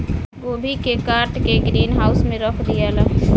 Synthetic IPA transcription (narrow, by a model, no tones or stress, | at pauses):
ɡoːbʱikekaːɾʈkeɡɾiːnɦaːʊsmẽɾəkʰd̪ɪjalaː